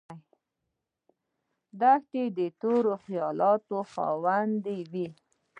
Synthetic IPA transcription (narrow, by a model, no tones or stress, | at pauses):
d̪axt̪ed̪ət̪oɾoxijɑlɑt̪oxɑ̰wand̪ewi